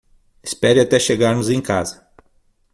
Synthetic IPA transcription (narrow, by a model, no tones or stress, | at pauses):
ɪ̥spɛɾɪat̪ɛʃeɡaɾnʊzẽj̃kazɐ